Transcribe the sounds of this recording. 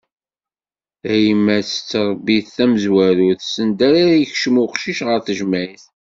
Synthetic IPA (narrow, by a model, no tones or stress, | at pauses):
æjəmːæθə̥t͡sːɾˤbːiθθæməzwæɾuθsənd̪æɾajəçʃmuqʃiʃʁəɾθəʒmæiθ